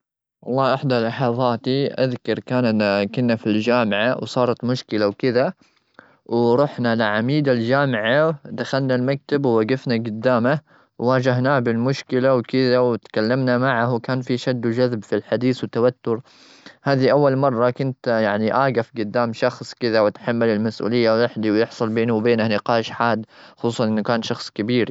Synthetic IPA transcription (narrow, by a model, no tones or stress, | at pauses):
ʔɑlˤːɑːʔɪħd̪alɑħɑðˤɑːt̪iʔaðkɑɾˤkaːnkʊnːafild͡ʒaːmɪʕawsˤɑːɾˤɑt̪mʊʃkɪlawkɪða | wɾˤʊħnalɪʕamiːd̪ald͡ʒaːmɪʕad̪axalnalmak̚t̪abwaɡɪfnaɡʊd̪ːaːma | wwaːd͡ʒaɦnaːbɪlmʊʃkɪlawkɪðawɪt̪kalːamnamaʕahwkaːnfiʃad̪ːwd͡ʒaðbfilħad̪iːθwɪt̪awat̪ːʊɾ | haːðiʔawːalmɑrˤːɑkʊnt̪jaʕniʔaːɡafɡʊd̪ːaːmʃɑxsˤkɪðawɪt̪ħamːalɪlmasʔṵːlɪjːawwɪħd̪iwjɪħsˤʊlbeːnuwbeːnahnɪqɑːʃħaːd̪xʊ̥sˤuːsˤɑnʔɪnːukaːnʃɑxsˤkabiːɾ